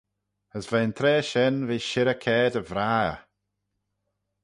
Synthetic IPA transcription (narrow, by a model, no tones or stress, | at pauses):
əsvɛnt̪ʰɾɛːʃɛnviːʃɪɾəkʰɛːdəvɾaːə̰